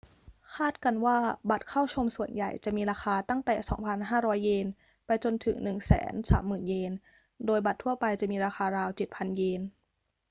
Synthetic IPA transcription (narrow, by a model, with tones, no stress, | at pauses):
kʰaː˥˩t̪̚ka˧nwaː˥˩ba˨˩t̪̚kʰa˥˩wt͡ɕʰo˧msu˨˩ənja˨˩jt͡ɕa˨˩ʔmiː˧ɾaː˧xaː˧t̪a˥˩ŋt̪ɛ̰ː˨˩sɔ̰ː˩˦ŋpʰa˧nɦaː˥˩ɾɔː˦˥jːeː˧n | pa˧jt͡ɕo˧nt̪ʰɯ˩˦ŋnɯ˨˩ŋsɛ̰ː˩˦nsa̰ː˩˦mːɯː˨˩njeː˧n | doː˧jba˨˩t̪ʰːu˥˩ɐpa˧jt͡ɕa˨˩ʔmiː˧ɾaː˧xaː˧ɾaː˧wt͡ɕe˨˩t̪̚pʰa˧njeː˧n